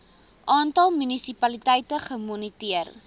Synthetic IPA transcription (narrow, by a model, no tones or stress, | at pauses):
ʔɑːntɐlˠmynisipɐlitɛjtəχəmunitiər